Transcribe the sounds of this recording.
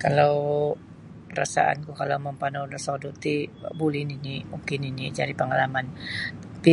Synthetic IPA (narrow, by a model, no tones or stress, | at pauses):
kalaw | ɾa̰sa̰ʔa̰nkukalawməmpanawdɔsodɔt̪ibulɪninimukɪninid͡ʒadipəŋalamant̪ḁpi